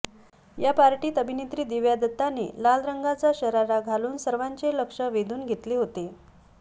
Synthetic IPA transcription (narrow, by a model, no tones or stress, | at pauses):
japaɾʈiːt̪əbʱinit̪ɾiːd̪iʋjad̪ət̪ːanḛlalɾəŋɡat͡saɕəɾaɾaɡʱaluːnsəɾʋaɲt͡seləkʂəʋed̪ʱuːnɡʱet̪leɦot̪e